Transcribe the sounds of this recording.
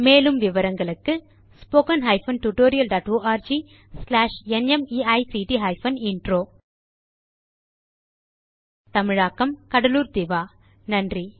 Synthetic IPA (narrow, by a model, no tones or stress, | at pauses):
meːlɯmʋɪʋɐɾɐŋɡɐɭɯkːɯ | spoːkɐnɦɐɪfɐnʈuʈoːɾɪjɐlɖaːʈoːʔaːɾd͡ʒi | slaːʂɛnɛmiːɐɪsiːʈiɦɐɪfɐnɪɳɖɾoː | t̪ɐmɪɻaːkːɐmkɐɽɐluːɾd̪ɪʋaː | nɐndri